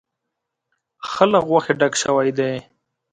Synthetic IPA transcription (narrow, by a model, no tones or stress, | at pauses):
xəlaɣɣwaxeɖakʃəwajd̪e